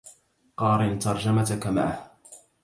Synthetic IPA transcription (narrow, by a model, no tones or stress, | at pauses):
qɑːɾɪnt̪ɑɾˤd͡ʒamat̪akama̰ʕh